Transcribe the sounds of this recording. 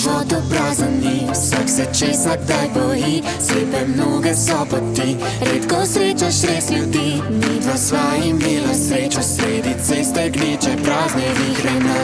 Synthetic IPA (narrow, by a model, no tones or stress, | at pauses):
vɔd̪ɔpɾaːzənni | saksɛt͡ʃeːsaɡ̚d̪ajbɔji | sleːpɛmnoɡɛsɔpɔt̪i | ɾeːt̪kɔsɾeːt͡ʃaʃɾeːslʲjud̪inid̪ʋɐsʋajimeːlasɾeːt͡ʃɔsɾeːd̪it̪sɛst̪ɛɡneːt͡ʃɛpɾaːznɛvixɾɛna